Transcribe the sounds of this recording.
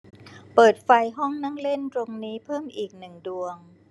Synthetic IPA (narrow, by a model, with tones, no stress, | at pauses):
pɤː˨˩t̪̚fa˧jɦɔ˥˩ŋnaː˥˩ŋle˥˩nt̪ɾo˧ŋniː˦˥pʰɤː˥˩mʔiː˨˩k̚nɯ˨˩ŋdu˧əŋ